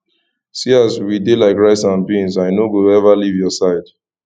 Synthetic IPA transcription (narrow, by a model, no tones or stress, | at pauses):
siazwidelaɪkɹaɪtsãnbĩnzaɪnoɡoɛvalivjɔsaɪd̥